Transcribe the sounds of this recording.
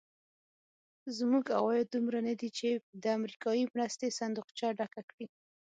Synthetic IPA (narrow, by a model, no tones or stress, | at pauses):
zmuɡa̰wɑjd̪umɾanad̪it͡ʃed̪əamɾikɑjimɾast̪esand̪uqt͡ʃɑɖakakɽi